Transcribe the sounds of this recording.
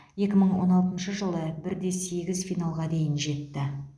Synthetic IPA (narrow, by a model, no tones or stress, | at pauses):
je̞kʲɪməɴwo̞̰nɑlˠt̪ənʃəʒəlˠəbɪɾd̪e̞se̞ɡʲɪzfijnalˠʁɑd̪e̞jɪnʒe̞t̪ːɪ